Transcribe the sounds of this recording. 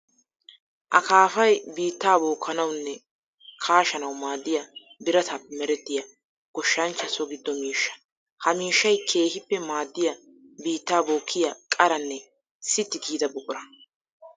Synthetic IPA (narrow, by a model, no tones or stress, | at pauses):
ʔɐ̰kaːfɐjbiːt̪ːaːbo̞ːkʰːɐnɐwnːɛ | kʰaːʃɐnɐwmaːd̪ːɪjɐbɪɾɐt̪ʰɐpːɛmɛɾɛt̪ːɪjɐ | ɡ̥ɔʃːɐnt͡ʃːɐsɔɡɪd̪ːɔmiːʃːɐ̥ | hɐmiːʃːɐjkʰe̞ːhɪpːɛmaːd̪ːɪjɐ | biːt̪ːaːboːkʰːɪjɐkʼɐɾɐnːɛ | sɪt̪ːɪɡiːd̪ɐbʊkʼʊɾɐ